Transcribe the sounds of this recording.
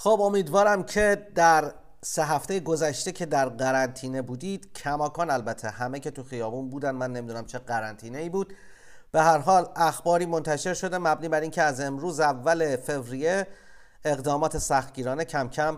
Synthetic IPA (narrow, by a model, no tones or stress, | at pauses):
xobo̞miːd̪vɒːɾæmcʰe̞d̪æɾ | se̞ɦæft̪ejeɡo̞zæʃt̪e̞cʰe̞d̪æɾɢæɾænt̪ʰiːne̞buːd̪iːd̪̥cʰæmɒːkʰɒːnælbæt̪ʰe̞hæmecʰe̞t̪ʰuxijɒːbuːnbuːd̪ænd̪mænːe̞mid̪unæmt͡ʃʰe̞ɡæɾænt̪ʰiːneiːbuːd̪̥ | b̥e̞ɦæɾɦɒːlæxbɒːɾiːmo̞nt̪ʰæʃe̞ɾʃo̞d̪e̞mæbniːbæɾincʰe̞æze̞mɾuːzævːæle̞fe̞vɾije | eɣd̪ɒːmɒːt̪ʰe̞sæxt̪̚ɟiːɾɒːnecʰæmcʰæm